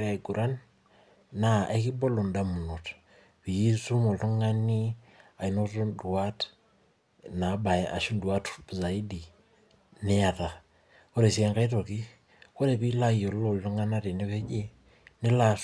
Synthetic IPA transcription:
ɾa˨ɡu˨ɾʔa˦nː | a˨ʔe˦ki˦bo˦lo˨nda˦mu˨no˨t | pi˨ji˦su˦mo˨lto˦ŋa˦ni˦ | a˨i˨no˦to˦ndu˨a˦t | na˨˦ba˨eʔa̰˨ʃu˦ndwa˦tbi˨za˨i˦di˨ | ne˦a˨ta˨ | ko˦ɾe˨si˨ɛ˦ŋka˦ito˨ki˦ | ko˦ɾe˨pi˦la˦jo˨lo˦˨lto˦ŋa˦na˦te˨ne˦pe˦d͡ʒi˦ | ne˦la˨

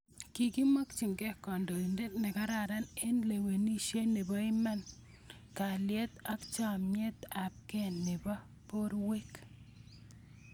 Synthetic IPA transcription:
ki˨ki˦ma˦k̚t͡ʃɪ˨ŋkɛ˦kɔ˨ndo˨i˨nde˦t̪nɪ˨ka˦ɾa˨ɾa˦ne˦nle˨we˨ni˦ʃe˦ne˨bɔ˦ɪ˦mɛ˦n | ka˨ljɛ˦t̪a˦kt͡ʃa˦˨mɲe˦t̪a˨p̚ke˦nːɪ˨bɔ˦ | po˦ɾwe˦k

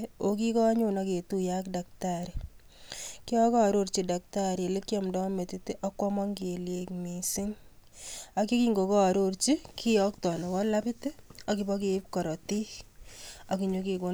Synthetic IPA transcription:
o˨ki˦kɔ˦ɲʊ˦nɔ˦ke˨tu˦ja˦kda˨k̚taɾi˨ | kɪ˦ɔ˦kɔ˦a˨ɾo˦ɾt͡ʃi˨da˨k̚ta˦ɾi˨le˦kjɔ˦mdɔ˦me˨tɪ˨tɪ˦ʔɔ˦kwɔ˦mɔ˦ŋke˨lje˨kmi˨sɪ˦ŋ | a˨ki˦ki˦ŋɡo˨kɔ˦a˨ɾo˦ɾt͡ʃi˦kʰɪ˦ɔ˦ktɔ˨nɔ˨kɔ˦la˦pɪ˦te˦ɔ˦kɪ˦bɔ˦k̬e˨ɪ˦p̚kɔ˨ɾɔ˨ti˦ | ɔ˨ki˨ɲo˦ki˨ko˦

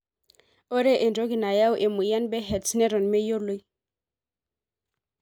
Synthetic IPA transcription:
o˦ɾɛ˦ʔɛ˨ndo˦ɡi˨na˨ja˦wʔe˨mu˨ja˦nbɛ˦ɦɛ˨tsnɛ˦ɾɔ˨nmɛ˦jo˦lo˦j

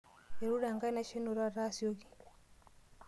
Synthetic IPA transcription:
e˨ɾu˦ɾa˨ŋɡa˦i˦na˦ʃe˦no˨ɾa˦ɾa˦sjo˦ɡi˨

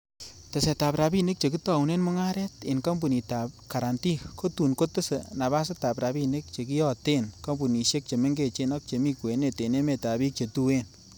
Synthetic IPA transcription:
te˨se˨ta˨pɾa˨bi˦ne˦k̚t͡ʃe˨k̬i˦ta˨u˨ne˦nmʊ˦ŋa˦ɾɛ˦te˨nka˦mbu˨ni˨ta˨p̚ka˨ɾa˨nti˦ko˦tu˨nko˦tɨ˦se˨na˨βa˦s̬e˦ta˨pɾa˨bi˦ne˦k̚t͡ʃe˨k̬i˦jɔ˦te˦nka˦mbu˨ni˨ʃe˦k̚t͡ʃe˨me˦ŋɡe˦˨t͡ʃe˦nɔ˦k̚t͡ʃe˨mi˦˧kwe˨ne˨te˨ne˦me˨ta˨bi˦k̚t͡ʃe˨tu˦e˦n

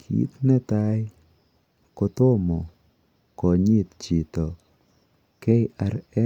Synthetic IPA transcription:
kʰḭ˨t̪nɛ˦t̪a˦j | kɔ˧t̪ʊ˦mɔ˨ | kɔ˨ɲɪ˦t̪t͡ʃi˨t̪ɔ˨ | kɛ˦ɪʔa˨ɾɛ˦

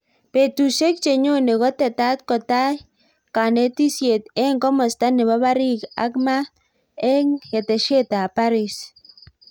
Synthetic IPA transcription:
pe˨t̪u˨se˦k̚t͡ʃe˨ɲo˦ne˨ɣɔ˦t̪e˨t̪a˦t̪̚kɔ˨ta˦j | ka˨ne˦t̪i˦sje˨t̪ɛ˦ŋkɔ˦mɔ˨st̪a˦nɪ˨βa˦βa˦ɾi˦ka̰˦kma˦ | ɛ˦ŋhe˨t̪e˨ʃje˦t̪a˨pa˦ɾi˨s

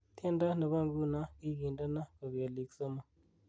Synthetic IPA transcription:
t̪ʰe˦nda˦nə˨βa˦˨ŋɡu˦na˦ɡi˦ɡi˨nda˦na˦kə˨bi˨a˨li˨kso˦ma˦˨

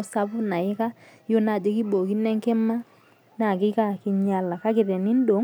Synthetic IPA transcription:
sa˦bʊ˦na˨ɪ˦ka˦ | jo˦na˨d͡ʒe˦ki˦bo˨ki˦nɛ˦ŋke˦ma˦ | na˦˨kɪ˦ka˦˨ki˦ɲa˦la˨ka˦kɪ˨ɾɛ˨ni˦n˦do˨˦ŋ

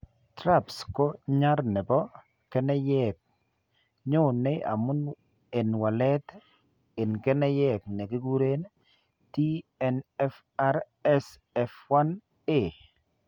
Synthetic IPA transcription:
tɾa˦psko˦ɲa˦ɾnɛ˨bɔ˦ | kɛ˦nɛ˦jɛk̚ | ɲʊ˦ne˦a̰˨mʊ˦n | e˨nwa˨lɛ˦t | ɪ˨nkɛ˦nɛ˦jɛ˦˨knɛ˨kɪ˦ɡu˦ɾe˦n | ti˦ɛnɛ˦f | a˦ɾ | ɛs | ɛ˨fwa˦n | e˨

